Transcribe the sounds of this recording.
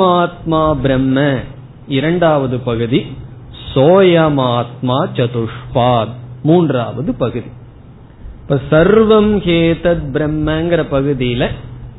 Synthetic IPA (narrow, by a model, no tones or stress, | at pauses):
aːt̪maːbɾɐmːɐ | iɾɐɳɖaːʋɐðɯpɐɣɯði | soːjɐmaːt̪maːt͡ʃɐt̪uʂpaːd̪muːndra̰ːʋɐðɯpɐɣɯði | pɐsɐɾʋɐmkeːt̪ɐt̪̚bɾɐmːɐːŋɡɪɾɐpɐɣɯðijlɐ